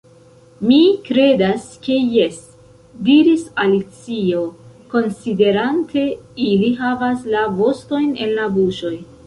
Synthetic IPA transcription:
mikɾe̞daske̞je̞s | diɾisalit͡sio̞ko̞nside̞ɾantʰe̞iliɦavaslavo̞sto̞jne̞̰nlabuʃo̞j

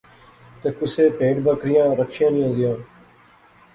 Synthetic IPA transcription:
t̪eːkʊseːpeːʈbəkɾɪjãːɾəkʃɪjãːnĩːɦõːd̪ɪjãː

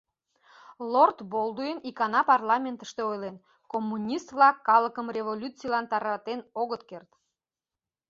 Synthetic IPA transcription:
lort̪bolˠd̪ujənikɑnɑpɑrlɑmʲent̪ə̥ʃt̪eojlen | komːunʲist̪vlɑkːɑləkəmrʲevolʲut͡sijlɑnt̪ɑɾɑt̪enoɣət̪kert̪

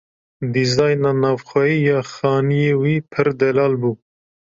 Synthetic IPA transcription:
d̪izɑːjnɑːnɑːvxʷɛiːjɑːxɑːnijeːwiːpʰɨɾd̪ɛlɑːlbuː

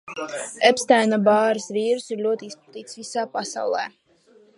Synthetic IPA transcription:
ɛpst̪ajnabaːɾɨsviːɾɨsiɾlʲuɔt̪iispat̪iːt̪svisaːpasa̰wlˠɛ̰ː

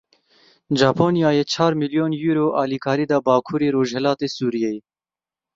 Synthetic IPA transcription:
d͡ʒɑːpʰoːnijɑːjeːt͡ʃʰɑːɾmiljoːnjuːɾoːʔɑːliːkʰɑːɾiːd̪ɑːbɑːkʰuːɾeːɾoːʒhɛlɑːt̪eːsuːɾijeje

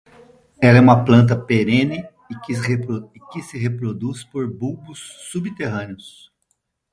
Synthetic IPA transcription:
ɛlɐɛũmɐplɐ̃nt̪̬ɐpeɾẽnɪ | kɪeɾo | kɪsɪɦepɾod̪uspoɾbubʊsːubit̪eɦɐ̃nɪʊs

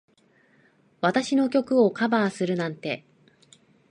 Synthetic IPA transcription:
βat̪aɕino̞kʲo̞kɯ̟o̞kabaːsɨɾɯ̟nãnt̪e̞

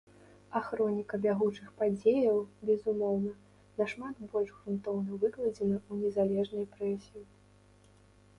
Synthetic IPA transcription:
axɾɔnʲikɐbʲaɣut͡ʂɨxpad͡zʲejɐwbʲɛzumɔwnɐ | nɐʂmat̪bɔlʲʐɣɾunt̪ɔwnɐvɨklˠɐd͡zʲɛnɐunʲɛzalʲɛʐnɐjpɾɛsʲiji

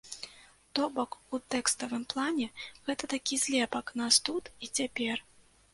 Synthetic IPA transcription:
t̪ɔbɔkut̪ɛkst̪ɐvɨmplˠanʲɛɣɛt̪ɐt̪akʲisʲlʲɛpɐknast̪ut̪it͡sʲapʲɛr

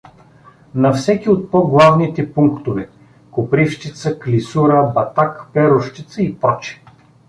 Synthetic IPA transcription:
nɐfsɛkiot̪̚pɔɡlˠavnit̪ɛpuŋkt̪ovɛ | kʊpɾifʃt͡ʃit̪səklisuɾəbɐt̪akpɛɾʊʃt̪it̪səipɾɔt͡ʃi̥

